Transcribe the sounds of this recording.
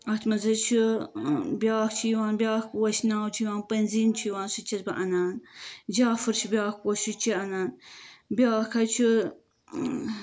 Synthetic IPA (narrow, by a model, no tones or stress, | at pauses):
ɐt̪ʰmɐzɐt͡ʃʰi | bʲjaːkt͡ʃʰiwaːnbʲjaːkwɐʃnaːwt͡ʃʰiwaːnpɐnziːnt͡ʃʰijwaːnsɨt͡ʃʰɐzbɐʔɐnaːnd͡ʒaːfɨɾt͡ʃʰibʲjaːkoʃut͡ʃʰiɐnaːnbʲjaːkʰɐt͡ʃʰi